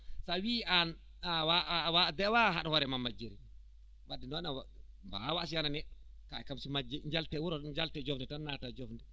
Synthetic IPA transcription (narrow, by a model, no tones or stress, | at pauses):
sawian | awawadɛwaɦaɗhɔɾɛmamːad͡ʒːeɾi | wadːinɔnaw | mba̰wasiananɛɗɔ | kaɛkamsimad͡ʒːɛɲd͡ʒaltɛwuɾɔɲd͡ʒaltɛd͡ʒɔfndɛtanːatad͡ʒɔfndɛ